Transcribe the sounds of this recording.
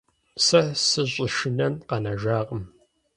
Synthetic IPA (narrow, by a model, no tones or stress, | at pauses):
sɐsɨʑʼɪʃɪnɐnqɐnɐʒaːqʼəm